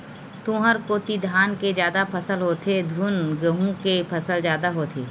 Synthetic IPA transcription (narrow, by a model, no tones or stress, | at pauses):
t̪ũːɦəɾkoːt̪id̪ʱaːnked͡ʒjaːd̪apʰəsəlɦoːt̪ʰed̪ʱuːnɡəɦũkepʰəsəld͡ʒjaːd̪aɦoːt̪ʰḛː